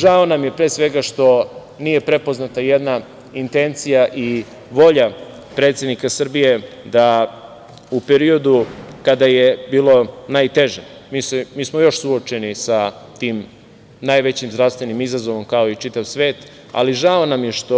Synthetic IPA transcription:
ʒaonamjepɾesʋe̞ɡaʃt̪o̞ | niːje̞pɾe̞po̞znat̪ajed̪na | int̪e̞nt̪sijaʔi | ʋo̞ʎa | pɾe̞ːt̪sje̞d̪nikasr̩bije̞ | d̪a | upe̞ɾio̞d̪ukad̪ajebiːlo̞naːjt̪e̞ʒemisemiːsmojo̞ʃsuot͡ʃe̞nisat̪iːm | naːjʋe̞t͡ɕimzd̪ɾaʋst̪ʋe̞nimizazo̞ʋo̞mkao̞it͡ʃit̪aʋsʋe̞ːt̪ | a̰liʒao̞namje̞ʃt̪o

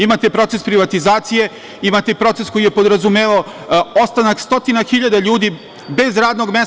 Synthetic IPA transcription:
imat̪e̞pɾo̞t̪se̞spɾiʋat̪izaːt̪sije̞ | imat̪epɾo̞t̪se̞sko̞jijepo̞d̪ɾazumeːʋao | ost̪anakst̪o̞t̪inaxiʎad̪aʎuːd̪i | be̞zɾaːd̪no̞ɡme

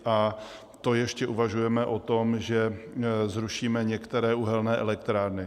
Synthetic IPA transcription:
ʔa | t̪o̞jɛʃcɛʔuvaʒujɛmɛʔo̞t̪o̞mʒɛzɾuʃiːmɛɲɛkt̪ɛɾɛːʔuɦɛlnɛːʔɛlɛkt̪ɾaːɾnɪ

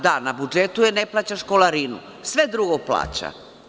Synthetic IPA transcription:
d̪anabud͡ʒet̪ujene̞plat͡ɕaʃkolaɾinṵ | sʋe̞d̪ɾuɡoplˠa̰ːt͡ɕa̰

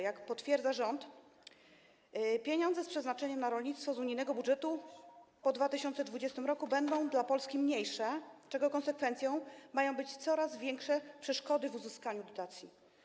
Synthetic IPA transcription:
jakpɔt̪fʲjɛɾd̪aʐɔnt̪ | pʲjeɲɔndzɛspʂɛznat͡ʂɛɲɛmnaɾɔlɲit̪st̪fɔzuɲijnɛɡɔbudʐɛt̪upɔd̪vat̪ɘɕɔnt̪sɛd̪vud͡ʑɛst̪ɘmɾɔkubɛnd̪ɔ̃w̃d̪lapɔlskʲimɲejʂɛt͡ʂɛɡɔkɔnsɛkfɛnt̪sjɔ̃w̃majɔ̃w̃bɘt͡ɕt̪sɔɾazvʲjɛŋkʂɛpʂɛʂkɔd̪ɘvuzɘskaɲud̪ɔt̪at̪sʲji

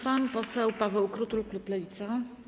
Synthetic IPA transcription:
panpɔsɛwpavɛwkɾut̪ulkluplɛvʲit̪sa

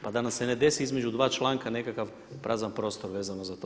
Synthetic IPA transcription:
pad̪anamse̞ne̞d̪e̞siizme̞d͡ʒud̪ʋaːt͡ʃlˠaːŋkane̞kakaʋ | pɾaːzanpɾo̞ːst̪o̞ɾʋeːzanozat̪o

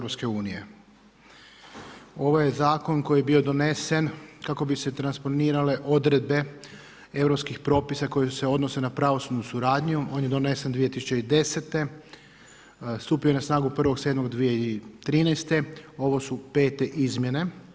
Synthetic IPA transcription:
ɾopske̞uːnije | o̞ʋoje̞zaːko̞nko̞jijebio̞d̪o̞ne̞se̞nkako̞bise̞t̪ɾanspo̞niːɾale̞ʔo̞d̪ɾe̞d̪̚be̞ | e̞ʋɾopskixpɾo̞pisako̞jese̞o̞d̪no̞se̞napɾaʋosubnusuɾaːd̪ɲuo̞ːnjed̪o̞ne̞send̪ʋije̞t̪isut͡ʃeid̪e̞set̪e̞ | st̪uːpioenasnaːɡupr̩ʋo̞ɡse̞ːd̪mo̞ɡd̪ʋije̞it̪ɾiːnɛjst̪e̞o̞ʋo̞supe̞ːt̪e̞ʔizmje̞ne̞

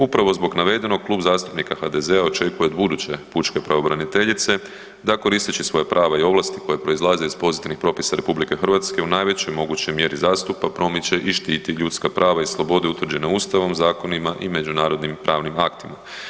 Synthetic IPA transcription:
upɾaʋo̞zbo̞ɡnaʋe̞d̪e̞noɡ̚klˠuːbzaːst̪u̥pnikaxad̪e̞ze̞ao̞t͡ʃe̞kuje̞d̪bud̪ut͡ɕe̞put͡ʃke̞pɾaʋo̞bɾanit̪e̞ʎit̪se̞ | d̪ako̞ɾist̪it͡ɕisʋo̞jepɾʔaːʋaio̞ʋlˠast̪i̥ko̞jepɾo̞izlˠazeiz̥po̞zit̪iʋnixpɾo̞pisaɾe̞publike̞xr̩ʋat̪ske̞unaːjʋe̞t͡ɕo̞jmo̞ɡut͡ɕo̞jmje̞ɾizaːst̪upapɾo̞mit͡ɕe̞ʔiʃt̪iːt̪iʎut̪skapɾʔaːʋaislˠo̞bo̞d̪eut̪ʋr̩d͡ʑe̞neust̪aʋo̞mzaːko̞nimaʔime̞d͡ʒunaːɾo̞d̪nimpɾʔaːʋnimakt̪ima

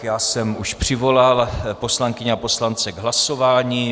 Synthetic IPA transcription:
jaːsɛmuʃpr̝̥ɪvo̞lalpo̞slaŋkɪɲɛapo̞slant͡sɛɡɦlaso̞vaːɲiː

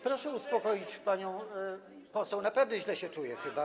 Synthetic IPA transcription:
pɾɔʂɛuspɔkɔjit͡ɕpaɲɔ̃w̃ | pɔsɛwnapɛvnɛʑlɛɕɛt͡ʂujɛxɘba

